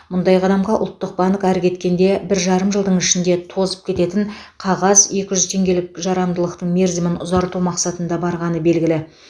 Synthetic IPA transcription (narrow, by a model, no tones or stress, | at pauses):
mʊnd̪ɑjqʰɑd̪ɑmʁɑʔʊ̰lˠt̪ːəq̚bɑnəkæɾkʲʰe̞t̪kʲe̞nd̪e̞bɪɾʒɑɾəmʒəlˠd̪əɴɪʃɪnd̪e̞t̪ʰo̞zə̥p̚kʲʰe̞t̪e̞t̪ɪɴqʰɑʁɑzje̞kʲɪʒʏzt̪ʰe̞ŋɡʲe̞lɪk̚ʒɑɾɑmd̪əlˠəqt̪əɴmʲeɾzimɪnʊzɑɾt̪umɑqsɑt̪ənd̪ɑbɑɾʁɑnəbe̞lɡʲɪlɪ